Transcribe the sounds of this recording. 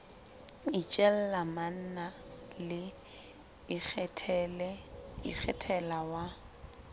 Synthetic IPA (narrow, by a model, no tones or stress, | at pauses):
it͡ʃʼɛl̩laman̩na | lɪ | lɛḭk͡xʰɛtʰɛlawa